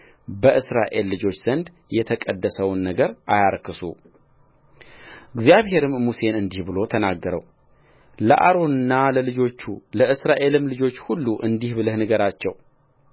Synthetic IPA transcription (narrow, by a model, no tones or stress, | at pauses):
bəʔɨsɾa̰ʔe̞lːɨd͡ʒo̞t͡ʃːz̥ənd̪ | jɛt̪ʰəkʼəd̪ːəsəwnːəɡəɾʔajaɾkʰɨsṵ | ɨɡzijaβhe̞ɾɨmːuse̞nɨnd̪ihbɨlo̞t̪ʰənaɡːəɾə̰w | ləʔa̰ɾo̞nɨnːaləlɨd͡ʒo̞t͡ʃːuləɨsɾaʔe̞lɨmlɨd͡ʒo̞t͡ʃːhulːuʔɨnd̪ihbɨləhnɨɡəɾat͡ʃːɛw